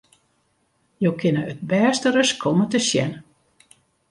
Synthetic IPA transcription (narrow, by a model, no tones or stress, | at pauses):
jowkʰɪnəət̚bɛːstəɾəskʰɔmətəʃjɛnə